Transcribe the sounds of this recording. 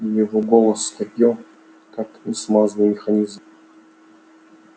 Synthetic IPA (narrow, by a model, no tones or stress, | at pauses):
jɪvoɡolˠəsːkɐpʲjo | kakʲɪsmaznɨjmʲɪxanʲizm